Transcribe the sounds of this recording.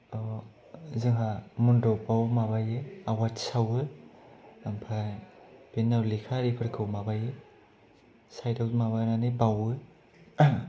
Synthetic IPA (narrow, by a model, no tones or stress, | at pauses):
ɔ | zɯŋɦamundɔwbawmabajɯawatsawɯ | ampʰajb̥inːawlikʰaɾipʰɯɾkʰɯwmabajɯ | sajtawmaβajnanɯbawɯ